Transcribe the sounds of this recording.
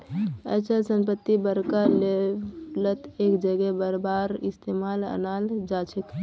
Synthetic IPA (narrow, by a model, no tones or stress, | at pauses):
ə̰t͡ʃʰəlsəmpət̪ːibəɾkalelət̪ekd͡ʒəɡɛbəɾbaɾist̪emalə̰nald͡ʒat͡ʃʰək